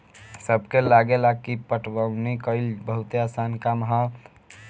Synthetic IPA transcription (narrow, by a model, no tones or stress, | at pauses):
səbkelaɡelakipəʈʰwaunikəɪlbəɦut̪easankamɦa